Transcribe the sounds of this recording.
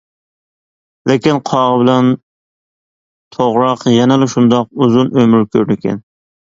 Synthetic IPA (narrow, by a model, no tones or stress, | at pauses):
lɪkʲinqʰɑʁəbɪlɛn | t̪ʰoʁɾɑqjɛnɛlɪʃund̪ɑquzunømɪɾkʲʰøɾnɪkʲɛ̰n